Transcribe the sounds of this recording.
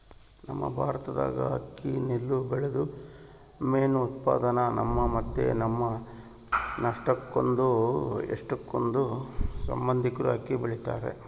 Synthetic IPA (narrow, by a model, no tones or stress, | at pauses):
nɐmːɐ̰bʱaːɾɐt̪ɐd̪a̰ːɡɐ̰ɦɐ̰kːinilːubɛɭed̪u | meːnuːt̪̚pa̰ːd̪ɐnɐnɐmːɐmɐt̪ːḛnɐmːɐ | nɐʂʈɐkːond̪uḛʂʈɐkːond̪usɐ̰mbɐnd̪ʱikɾuɐkːibiɭit̪aːɾḛ